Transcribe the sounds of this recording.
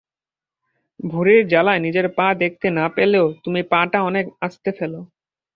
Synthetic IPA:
bʱuɾeɾd͡ʑalaenid͡ʑeɾpãd̪ek̚ʰt̪enapeleot̪umipãʈaɔnekast̪efelo

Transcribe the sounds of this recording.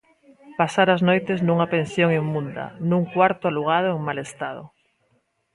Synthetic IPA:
pasaɾaznojt̪eznuŋapẽnsjoŋimmũnd̪ɐ̰nũŋkwaɾt̪oaluɣaðoeŋmalest̪að̞o̰

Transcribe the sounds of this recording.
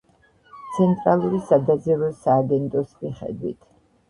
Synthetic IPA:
t̪sʰɛnt̪ʼɾalˠuɾisad̪azɛɾɔsaːɡɛnt̪ʼɔsmiχɛ̰d̪wḭt̪ʰ

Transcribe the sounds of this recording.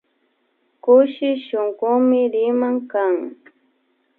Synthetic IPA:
kʊʃɪʃoŋɢʊmɪɾɪmaŋkaŋ

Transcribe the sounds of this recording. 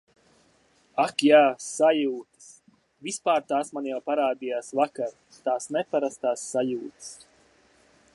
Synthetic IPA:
akjaːsajuːt̪ɨ̥s | vispaːɾt̪aːsmanjawpaɾaːd̪ijaːsvakaɾ | t̪aːsnɛpaɾast̪aːsːajuːt̪s

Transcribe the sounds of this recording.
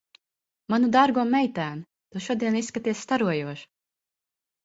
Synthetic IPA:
manud̪aɾɡuɔmɛjt̪æːm | t̪uʃuɔd̪iɛnisːkat̪iɛsst̪aɾuɔjuɔʃ

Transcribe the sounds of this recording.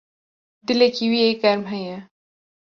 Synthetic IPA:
d̪ɪlekiwieɡɐɾmɦɛjɛ

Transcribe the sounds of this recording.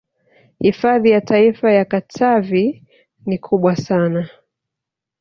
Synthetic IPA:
hifaðijataifajakatʰavi | nikʰuɓwasana

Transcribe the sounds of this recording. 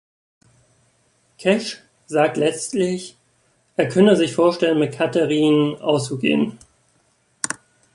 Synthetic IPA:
kʰɛʃ | z̥aːk̚tlɛt͡stlɪç | ʔeːɐkʰœnəzɪçfoːɐʃtɛlənmɪt̚kʰatəʁiːnʔa̰ʊst͡suɡḛːən

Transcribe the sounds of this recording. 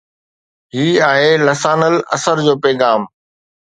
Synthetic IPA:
ɦiːaːɦeːlɐsaːnəlɐ̰səɾd͡ʑoːpɛːɡaːm

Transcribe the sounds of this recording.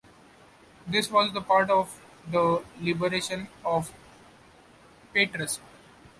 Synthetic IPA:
d̪ɪsʋɔːzd̪əpaːɾʈɔːʋ | d̪əlɪbəɾeːʃə̃nɔːʋ | peːʈɾəs

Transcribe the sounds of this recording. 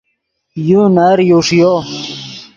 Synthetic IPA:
junaɾjuʂjo

